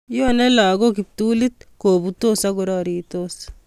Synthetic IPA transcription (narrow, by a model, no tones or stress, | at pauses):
jonɛlaːɡokip̚t̪uːlit̪̚koːbut̪osaɡʊɾɑːɾit̪os